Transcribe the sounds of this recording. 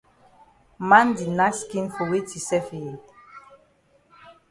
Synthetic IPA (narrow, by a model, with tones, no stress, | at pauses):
mã˦ndi˨na˦skĩ˦nfɔ˨we˦tʰi˨sɛ˦fi˨d